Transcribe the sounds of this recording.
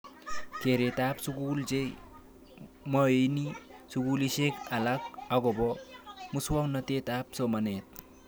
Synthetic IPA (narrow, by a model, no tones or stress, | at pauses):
keɾet̪apsuɡuld͡ʒej | mʌenisuɡulisekalak̚aɡɔbɔmuswɔŋnʌt̪et̪ap̚sɔmanet̪̚